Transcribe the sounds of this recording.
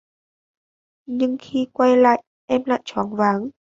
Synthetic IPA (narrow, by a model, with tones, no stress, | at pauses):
ɲɨ˧ŋxi˧kwa˧jla̰ː˧˨j | ʔɛ˧mla̰ː˧˨jt͡ɕɔ˨˦nvaː˨˦ŋ